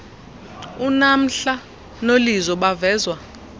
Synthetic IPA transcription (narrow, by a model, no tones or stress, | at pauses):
unam̩ɬa | nolizɔɓavɛːzwa